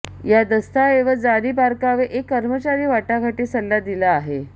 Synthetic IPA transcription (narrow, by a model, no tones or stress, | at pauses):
jad̪əst̪aeʋəd͡zaɾiːbaɾkaʋeʔekːəɾmət͡ɕaɾiːʋaʈaɡʱaʈiːsəlːad̪ilaːɦe